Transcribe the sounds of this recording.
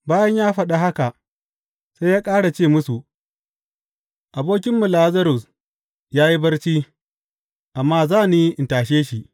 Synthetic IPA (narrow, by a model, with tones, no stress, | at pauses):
baː˦jɐ˦ɲjaː˦ɸɐ˦ɗa˨ɦa˦ka˨ʔ | se˦jaː˦kʼaː˦ɽa˨t͡ʃeː˦˨mʊ˦su˨ʔ | ʔa˨boː˦kʲɪ˦mːʊ˨laː˦zɐ˦ɾʊ˨s | jaː˦ji˦bɐ˦rt͡ʃiː˦ | ʔa˨mːaː˦zaː˦˨niː˦ʔɪ˨ntaː˨ʃ̬eː˦ʃi˨ʔ